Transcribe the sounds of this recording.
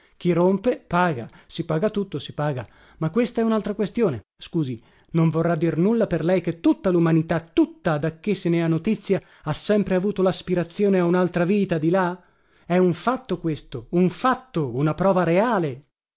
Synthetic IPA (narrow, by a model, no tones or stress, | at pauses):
k̟irompepaːɡasipaːɡat̪ut̪ːosipaːɡa | makːwest̪aɛunalt̪ɾakwest̪joːne | skuːzi | noɱvorːad̪ːirnulːaperlɛjk̟et̪ːut̪ːalumanit̪at̪ut̪ːad̪akːesːeneanːot̪it̪sːja | asːɛmpɾeavuːt̪olaspiɾat̪sːjoːneaunalt̪ɾaviːt̪ad̪ila | ɛuɱfat̪ːokwest̪ouɱfat̪ːounapɾɔːvaɾeaːle